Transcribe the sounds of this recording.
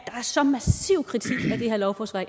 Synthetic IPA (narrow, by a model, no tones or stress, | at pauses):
d̥ɑ̈æɐsɒ̽mæsḭʊ̰kʰʁit͡sʰḭɡ̥æd̥e̝heɐ̰lɒʊfɒsʋɑɪ